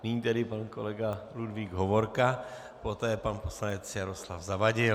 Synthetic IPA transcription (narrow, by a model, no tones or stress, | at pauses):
niɲiːt̪ɛdɪpanko̰lɛɡaludviːɡɦovoɾka | pot̪ɛːpanposlanɛt͡sjaɾo̞slafzavaɟɪ